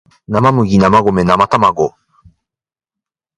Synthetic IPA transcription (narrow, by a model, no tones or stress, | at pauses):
namamɯ̟ɡʲinamaɡomenamat̪amaɡo